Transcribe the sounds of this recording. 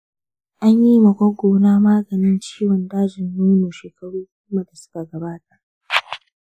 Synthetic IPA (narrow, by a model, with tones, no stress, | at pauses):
ʔa˦ɲjiː˦mɐ˨ɡʷɔ˦ɡʷoː˨naː˦maː˦ɡɐ˨nɪ˦nt͡ʃiː˦wɔ˨ndaː˦d͡ʒɪ˨nːʊ˦jmu˨ʃeː˨kɐ˨ɽuː˦ɡʷʊː˦ma˨da˨sʊ̥˦ka˨ɡɐ˨baː˦ta˨ʔ